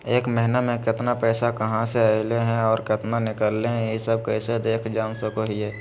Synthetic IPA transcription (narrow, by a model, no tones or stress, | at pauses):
eːkmɛɦnamẽkɪt̪napɛːsakɐɦãseaɪleɦɛ̃ɔːɾkɪt̪nanɪkəlːeɦɛ̃jesəb̚kɛːsed̪eːkʰd͡ʒaːnsəkoɦiɛː